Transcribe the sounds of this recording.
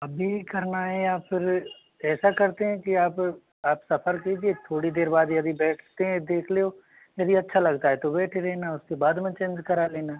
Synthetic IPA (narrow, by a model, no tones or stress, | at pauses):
ɐbʱikɐɾnaɦɛjaːpfʰɪɾ | ɛːsakɐɾt̪eɦɛ̃kiaːp | aːpsɐfʰəɾkiːd͡ʒiet̪ʰoːɽid̪eːɾbaːd̪jɐd̪ibɛːʈʰt̪eɦɛ̃d̪eːkʰleoː | jɐd̪iɐtːʃʰalɐɡt̪aɦɛt̪obɛːʈʰeɾɛːnaʊskebaːd̪mẽt͡ʃẽːnd͡ʒkɐɾaleːna